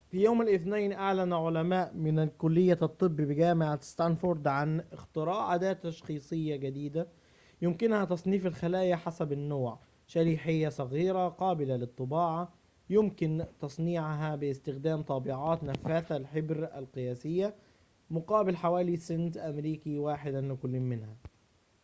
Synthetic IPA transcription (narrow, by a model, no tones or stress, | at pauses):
fijoːmalʔɪθnaːnʔaʕlænʕolæmaːʔmɪnkʊlːɪjːat̪ˤːɨbːbɪɡæːmɪʕast̪ænfoɾd̪ʕanɪxt̪ɨɾɑːʔʕad̪æːt̪ːɑʃxiːsˤɨjːaɡad̪iːd̪a | jʊmkɪnhæt̪ɑsˤniːfalxalæːjaħasæbɪnːoːʕ | ʃaɾiːħɪjːasˤɑɣiːɾaqɑːbɪlalɨt̪ˤːɨbɑːʕa | jʊmkɪnt̪ɑsˤniːʕɦæbɪɪst̪ɪxd̪æːmt̪ˤɑbɪʕɑːt̪næfːæːθælħɪbɾæ̰lqɨjæːsɪjːa | mʊqɑːbɪlħawæːlisɪnt̪ʔæmɾiːkiwaːħɪd̪lɪkʊlːiːnmɪnhæ